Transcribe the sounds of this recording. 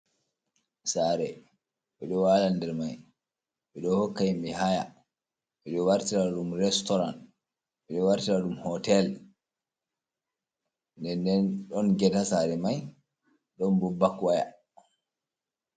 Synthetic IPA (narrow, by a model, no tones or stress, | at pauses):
saɾɛ | mɛɗɔwalandɛɾmaj | miɗɔhokːajmihaja | mɛɗɔwaɾtiɾaɗumɾɛstɔɾan | mɗɔwaɾtiɾaɗumhɔtɛl | ndɛndɛnɗɔnɡɛtasaɾɛmaj | ɗɔnbɔbːakwaja̰